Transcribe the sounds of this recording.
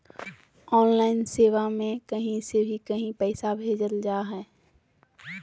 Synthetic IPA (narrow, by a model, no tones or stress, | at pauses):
ɔːnlaːɪnseːʋamẽkɐɦĩsebʱikɐɦĩpɛːsabʱeːd͡ʒəld͡ʒaːɦɛː